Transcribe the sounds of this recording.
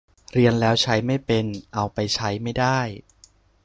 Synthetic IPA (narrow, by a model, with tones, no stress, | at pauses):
ɾi˧ənlɛː˦˥wt͡ɕʰa˦˥jma˥˩jpe˧nʔa˧wpa˧jt͡ɕʰa˦˥jma˥˩jdaː˥˩j